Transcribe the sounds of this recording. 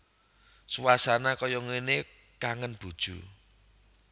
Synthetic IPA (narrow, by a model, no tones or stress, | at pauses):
suwasanakɔjɔŋene | kaŋənb̥ṳd̥ʒ̥ṳ